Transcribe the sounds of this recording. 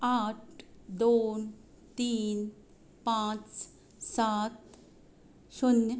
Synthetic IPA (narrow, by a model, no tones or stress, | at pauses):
aʈʰd̪oːn | t̪iːn | pãt͡s | sat̪ | sunj